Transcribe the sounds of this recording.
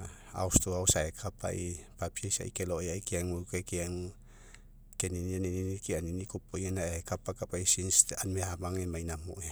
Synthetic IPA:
a̰ust̪uausaekʰapa̰ipapiesa̰ḭkelojaikiaŋukekiaŋ | keninianininikianinikupoianaʔekapakapaisinst̪anmehamaŋemainamo̰ʔe

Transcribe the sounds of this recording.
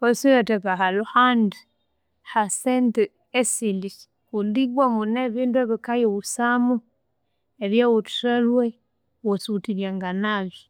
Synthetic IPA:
osiatakaɦaluhand | hasente | esilis | kuliɡwamɡuneβiːntueβikajeβusamu | eβjawotu̥salwe | wosutiljaŋɡanaβjo

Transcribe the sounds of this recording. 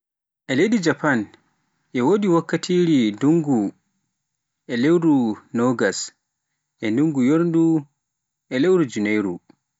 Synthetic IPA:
ʔɛlejdid͡ʒapan | ʔɛwodiwakːatʰiːɾiduŋɡu | ʔɛlewɾunɔɡas | ʔɛnduŋɡujoɾndu | ʔɛlewɾud͡ʒunejɾṵ

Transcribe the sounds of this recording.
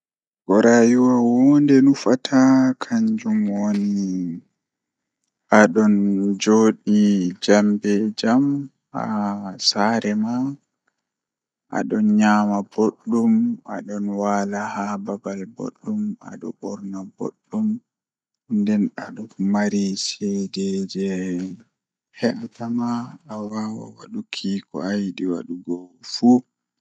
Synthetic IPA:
ɡɔɾajuwawɔndɛnufatʰakʰaɲd͡ʒumwoni | ʔaɗɔnd͡ʒoːɗid͡ʒambɛd͡ʒam | a̰saːɾɛma | ʔa̰ɗɔnɲaːmaboɗːumʔa̰ɗɔnwaːlahababalbo̰ɗːuma̰ɗɔɓɔɾnabo̰ɗːum | ndɛnaɗɔmaɾisɛdɛd͡ʒɛ | hɛʔatamaːwaːwa̰waɗukʰiːkɔ̰ajɗiwa̰ɗuɡɔfu

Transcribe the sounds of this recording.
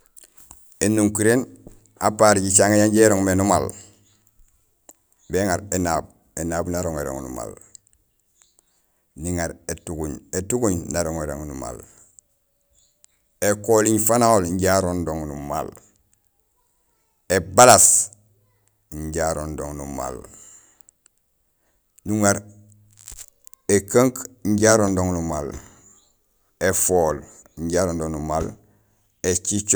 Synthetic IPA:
enːuŋkiɾen | apaɾɟit͡ʃaŋejaɲɟeɾoŋmenumal | beŋaɾenab̚ | enaːbnaɾoŋḛɾo̰ŋnṵma̰l | niŋaɾetuɡuɲetuɡuɲnaɾoŋeɾo̰ŋnuma̰l | ekoliɲfanaolɲɟaɾondoŋnuma̰l | ebalas | ɲɟaɾondo̰ŋnṵma̰l | nuŋeɾ | ekaŋkɲɟaɾondoŋnumal | efoːlɲɟaɾondoŋnumal | et͡ʃit͡ʃ

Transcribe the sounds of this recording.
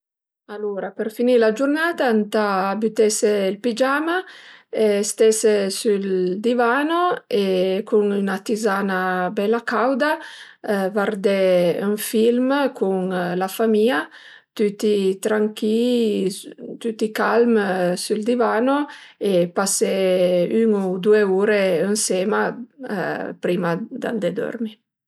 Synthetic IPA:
aluɾapeɾfinilad͡ʒurnaːt̪ant̪aːbyt̪ɛseilpid͡ʒamaest̪ɛsesuld̪ivaːnoekʰuŋynat̪izaːnabɛlːakawd̪a | vard̪ɛyɱfilmkʰuŋlafamia | t̪yt̪it̪ɾaŋki | t̪yt̪ikalmsuld̪ivaːnoepasɛyŋud̪ueuːɾeənsema̰ | pɾimad̪a̰nd̪ɛd̪ɔ̰ɾmi

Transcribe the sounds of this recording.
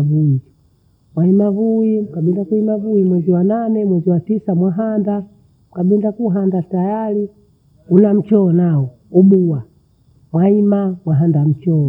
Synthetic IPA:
vuid͡ʒ | mwaimavuikaɓindakuimavuimwɛziwananɛmwɛziwatisamwaɦanda | mkaɓindakuɦandatajali | unam̩t͡ʃɔɔnaɔ | uɓuwa | mwaimamwaɦandam̩t͡ʃɔ

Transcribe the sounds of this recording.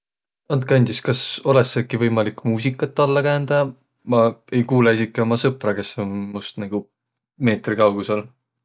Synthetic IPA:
ɑnt̪̚kɑnʲd̪iskɑso̞lesekːivɤjmɑlikːˑmuːs̬ikːˑɑt̪ːɑlːɑkæːnd̪̥ɑ | mɑe̞jkuːleesikːˑeomɑsɤprɑkesemust̪nɑɡ̥u | me̞ːt̪rikɑwɡ̥usol

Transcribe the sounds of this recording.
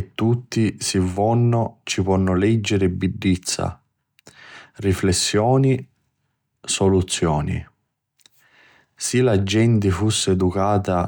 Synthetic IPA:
t̪ːut̪ːisivːɔnːot͡ʃipɔnːʊlɛd͡ʒːeɾɪbːiɖːit̪sːa̰ | riflesːjɔːni | solut̪sːjɔːnḭ | silad͡ʒːɛnt̪ɪfusːeɛd̪ukaːt̪a

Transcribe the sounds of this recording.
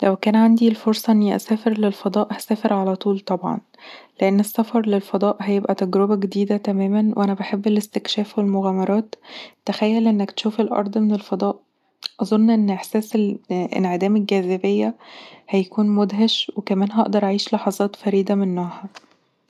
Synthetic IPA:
læwkæːnʕand̪ilfoɾsˤɑʔenːiʔæ̰sæːfeɾlelfɑd̪ˤɑːʔhæsæːfeɾʕalæt̪ˤuːlt̪ˤɑbʕɑ̰n | leʔenːesːæfɑɾˤlelfɑd̪ˤɑːʔhæjebʔæt̪æɡɾobæɡed̪iːd̪æt̪æmæːmænwʔænæbaħebːelest̪ekʃæːfwelmoɣæːmɑɾˤɑːt̪t̪ːæxæjːælʔenːækt̪ʃuːfelʔɑ̰ɾˤd̪ˤmenelfɑd̪ˤɑːʔ | ʔɑzˤonːʔenːʔeħsæːselʔḛnʕed̪æːmelɡæzæbejːæhæjækuːnmod̪ɦæʃwekæmæːnɦɑʔd̪ɑɾˤʔaʕiːʃlɑħɑzˤɑːt̪fæɾiːd̪æmenːæːhæ

